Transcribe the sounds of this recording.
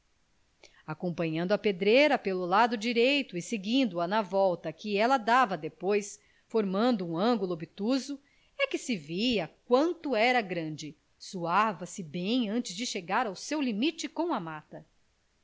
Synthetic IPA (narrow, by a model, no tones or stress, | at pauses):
akõpɐ̃ɲɐ̃nd̪ɐped̪ɾejɾɐpelʊlad̪ʊd͡ʒiɾejt̪ʊɪseɡĩnd̪ʊɐnɐvɔwt̪ɐkɪɛlɐd̪avɐd̪epojs | foɾmɐ̃nd̪ʊũɐ̃ɡulubit̪uzʊ | ɛkɪsɪviɐk̚wɐ̃nt̪ʊɛɾɐɡɾɐ̃d͡ʒɪ | suavɐsɪbẽj̃ɐ̃nt͡ʃɪzd͡ʒɪʃeɡaɾawsewlimit͡ʃɪkõw̃ɐmat̪ɐ